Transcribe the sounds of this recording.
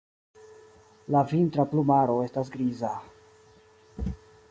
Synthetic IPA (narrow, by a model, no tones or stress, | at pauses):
lavintɾaplumaɾo̞e̞stas̬ɡɾiza